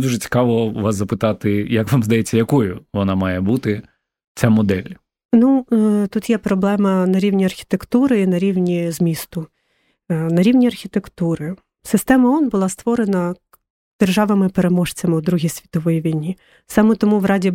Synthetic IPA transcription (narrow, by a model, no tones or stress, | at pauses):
d̪uʒɛt͡sʲi̥kɑʋɔʋɑszɐpɪt̪ɑt̪ɪjɐkʋɑmzd̪ɐjet͡sʲːɐjɐkɔjʊʋɔnɑmɑjɛbut̪ɪ | t͡sʲamɔd̪ɛlʲ | nut̪ut̪jɛpɾɔblˠɛmɐnɐɾʲiwnʲiɐrxʲi̥t̪ekt̪uɾɪinɐɾʲiwnʲizmʲist̪ʊ | nɐɾʲiwnʲiɐrxʲit̪ekt̪uɾɪ | sɪst̪ɛmɐɔnbʊlˠɑst̪ʋɔɾenɐ | d̪̥erʒɑʋɐmɪpeɾemɔʃt͡sʲɐmɪʊd̪ɾuɦʲisʲʋʲi̥t̪ɔʋɔjiʋʲijnʲi | sɑmɛt̪ɔmuʋrɑdʲi